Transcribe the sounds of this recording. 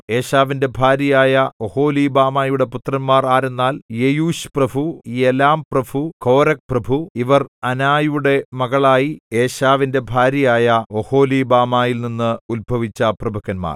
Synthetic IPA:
e̞ːɕaːʋinde̞bʱaːɾjɐjaːjɐoho̞ːliːbaːmaːjuɽe̞put̪rɐnmaːraːɾunːaːljejuːɕprɐbʱuielaːmprɐbʱuko̞ːɾɐk̚prɐbʱuiʋɐrɐnaːjuɽe̞mɐɣɐɭaːjie̞ːɕaːʋinde̞bʱaːɾjɐjaːjɐoho̞ːliːbaːmaːjilninːɨulbʱɐʋit͡ɕːɐprɐbʱɐɣɐnma̰ːr

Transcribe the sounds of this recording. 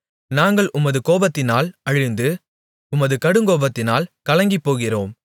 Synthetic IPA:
naːŋɡɐɭʔʊmɐðɯkoːbɐt̪ːɪnaːlɐɻɪnd̪ɯ | ʊmɐðɯkɐɽɯŋɡoːbɐt̪ːɪnaːlkɐlɐŋɡɪpːoːɣɪroːm

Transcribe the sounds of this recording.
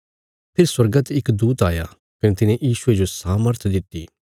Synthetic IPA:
pʰɪɾswɐɾɡət̪ɪkd̪uːt̪aːja̰ː | kɐnẽt̪ɪnẽʔjiːʃʊed͡ʒosaːməɾt̪ʰd̪ɪt̪ːiː

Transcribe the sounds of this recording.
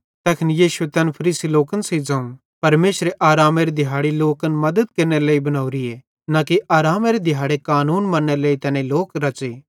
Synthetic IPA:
t̪ɛːkʰnjiːʃuet̪ɛnpʰɐɾiːsiloːkənseid͡zɐːũ | pɐɾmeːʃɾeʔaːɾaːmeːɾed̪ʱɪɦaːɽiloːkənmɐd̪əd̪̚kɐɾneɾleːibɐnaːuɾiɛ | nakiʔaːɾaːmeɾed̪ʱɪjɦaːɽekaːnuːnmɐnːeleːit̪ɛːnẽloːkɾɐt͡ʃe

